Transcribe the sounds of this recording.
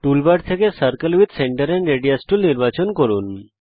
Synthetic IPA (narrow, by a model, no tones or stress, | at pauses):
ʈulbaɖt̪ʰekesəɾkəlwid̪ʱseɳʈəɾeɳɖɾeɖijasʈulniɾbat͡ɕonkoɾun